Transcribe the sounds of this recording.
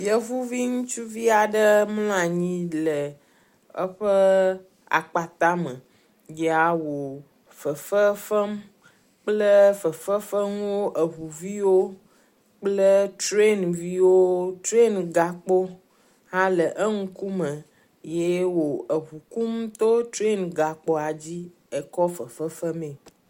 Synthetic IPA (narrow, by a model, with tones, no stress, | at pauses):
i˨˦ə˦vu˦vi˦ŋũ˦t͡ʃu˦vi˦a˨ɖə˦ml̃a˨ɲĩ˦lə˨ | ə̰˦ɸə˦ | a̰˨k͡pa˨t̪a˦mə˨ | je˨˦a˨wo˨ | fə˨fə˦fə˦m | k͡plə˦fə˨fə˦fə˦m˦wo˦ʔə˨ɦu˨vi˦wo˦ | k͡plə˦tɾe˦nvi˦wo˦tɾe˦nɡa˨k͡po˦ | hã˦lə˨ʔə˦ŋu˦ku˦mə̃˨ | je˦wo˨ə˨ɦu˨ku˦mt̪o˦t̪ɾe˦nɡa˨k͡po˦a˨d͡ʑi˦ | e˨kɔ˦fə˨fə˦fə˦mẽ˨